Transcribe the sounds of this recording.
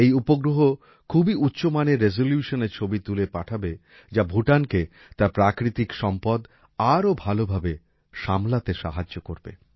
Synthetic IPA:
ejupoɡɾoɦo | kʰubiut̪ːɕomaneɾːezoljuʃoneɾt͡ɕʰobit̪ulepaʈʰabe | d͡ʑabʱuʈanke | t̪aɾpɾakɾit̪ikʃɔmpɔd̪ | aɾobʱalobʱabe | ʃamlat̪eʃa̰ɦad͡ʑːokoɾbḛ

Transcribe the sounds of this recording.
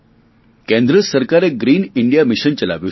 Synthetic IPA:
kẽnd̪ɾəsəɾkaɾeɡɾiːniɳɖijamiɕənt͡ɕəla̰ʋji

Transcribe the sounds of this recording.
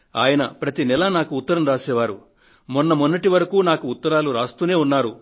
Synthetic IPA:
aːjɐnɐpɾɐt̪inɛlɐnaːkuːt̪ːɐɾɐmɾaːsɛːʋaːɾu | munːɐmunːɐʈiʋɐɾɐkuːnaːkuːt̪ːɐɾaːluɾaːst̪uːne̞ːunːaːɾu

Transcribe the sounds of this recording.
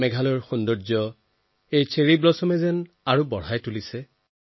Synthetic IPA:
mɛɡʱalɔɹxundɔɹd͡ʒɔ | ejt͡ʃʰeɹibɹɔsɔmɛzɛn | aɹubɔɹ̤ajtulisɛ

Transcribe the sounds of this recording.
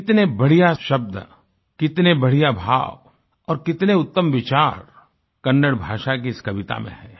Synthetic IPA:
kɪt̪nebɐɽ̤ijaʃɐb̚d̪ | kɪt̪nebɐɽ̤ijabʱa̰ːʋ | ɔːɾkɪt̪neʊt̪ːəmʋɪt͡ʃaːɾ | kɐnːəɽbʱaːʃak̬iɪskɐʋɪt̪a̰mḛ̃ɦɛː

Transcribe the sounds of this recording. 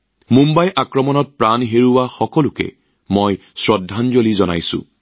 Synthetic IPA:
mumbajʔakɹɔmɔnɔt̚pɹanɦeɹuwaxɔkɔlʊkɛ̰ | mɔj | sɹɔdʱːanzolizɔna̰jsʊ̰̃

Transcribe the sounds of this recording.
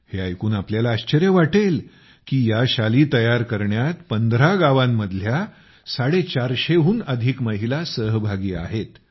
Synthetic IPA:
heajkuːnapljalaːɕt͡ɕəɾjəʋaʈel | kiːjaɕaliːt̪əjaɾkəɾɳjat̪pənd̪ɾaɡaʋãmːəd̪ʱlja | saɽet͡ɕaɾɕeɦuːnəd̪ʱikməɦilasəɦbʱaɡiːa̰ɦet̪

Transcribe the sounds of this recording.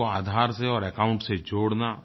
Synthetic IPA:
oaːd̪ʱaːɾseɔːɾɛkãːʊ̃ɳʈsed͡ʒoːɽna

